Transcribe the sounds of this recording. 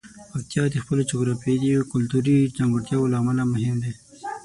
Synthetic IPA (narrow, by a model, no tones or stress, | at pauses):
pak̚t̪ijɑd̪expəlod͡ʒoɡɾɑfed̪ikʊlt̪uɾid͡ʒaŋɡʊɽt̪jɑwolaːmalamʊɦɪmd̪e